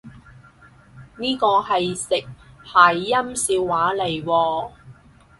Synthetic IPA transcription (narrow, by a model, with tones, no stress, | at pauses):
niː˥kɔː˧hɐ˨jsɪ˨k̚haː˨˩jːɐ˥msiː˧wːaː˨˥le˨˩jwɔː˧